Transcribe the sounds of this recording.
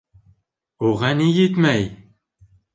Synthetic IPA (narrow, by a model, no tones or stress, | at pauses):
uʁɑnijɘt̪mæj